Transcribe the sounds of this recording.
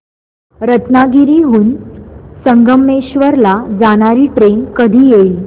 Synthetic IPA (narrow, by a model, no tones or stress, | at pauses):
ɾət̪naɡiɾiːɦuːnsəŋɡəmːeɕʋəɾlad͡zaɽ̃aɾiːpɾemkəd̪ʱiːjei